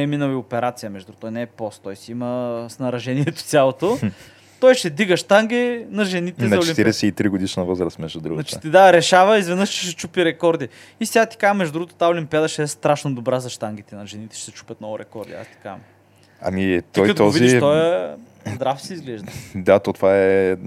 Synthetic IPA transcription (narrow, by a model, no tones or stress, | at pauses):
ɛminəwiopɛɾat̪sijəmɛʒd̪uot̪ɔjnɛːpɔst̪t̪ɔjsɛiməsnɐɾɐʒɛniɛt̪o̥sʲjalˠot̪o | t̪ɔjʃt̪ɛd̪iɡəʃt̪aŋɡʲinɐʒɛnit̪ɛnzɐʊt͡ʃlɛimpt̪iɾɛsɛit̪ɾiɡod̪iʃnɐvɤzɾəst̪mɛʒd̪ud̪ɾuɡnat͡ʃi̥t̪ɛd̪aɾɛʃavɐizvɛnəʃt͡ʃɛ̥ʃɛt͡ʃupiɾɛkɔɾd̪i | isɛɡat̪i̥kamɛʒd̪ud̪uɡot̪o̥t̪ːaolimpʲiad̪əʃɛɛst̪ɾaʃnɐd̪obɾazɐʃt̪aŋɡʲit̪ɛnɐʒɛnit̪ɛ̥ʃɛ̥sɛt͡ʃu̥pʲjət̪nɔvʊɾɛkɔɾd̪ḭa̰st̪i̥kam | ɐ̰mit̪ɔjkɐt̪oɔviiʃt̪ɔjɛ | zd̪ɾafsɛizɡlɛʒd̪əd̪at̪ɔt̪ovaɛ